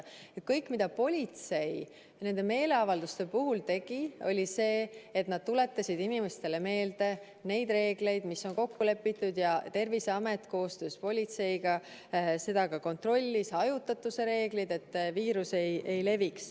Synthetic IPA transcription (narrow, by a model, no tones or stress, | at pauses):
ekɤjkːˑmid̪̥ɑpo̞lʲit̪se̞j | ne̞nd̪e̞me̞ːle̞ɑvɑld̪ust̪e̞puɦult̪e̞ɡ̥io̞lʲise̞ːet̪nɑd̪̥̚t̪ule̞t̪ːˑɑsʲid̪inime̞st̪e̞le̞me̞ːld̪e̞ | ne̞jd̪re̞ːɡ̥le̞jd̪misːo̞nko̞kːule̞pːit̪ːˑud̪jɑt̪e̞rviseɑme̞t̪ko̞ːst̪øːspo̞lʲit̪se̞jɡ̥ɑ | se̞d̪ɑɡɑko̞nt̪ro̞lʲːisɑjut̪ːˑɑt̪ːuse̞ɾe̞ːɡlid̪e̞t̪ːviːɾuse̞jʔe̞jle̞viks